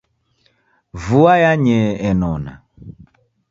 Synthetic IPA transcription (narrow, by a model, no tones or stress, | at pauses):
vuajaɲɛɛnɔna̰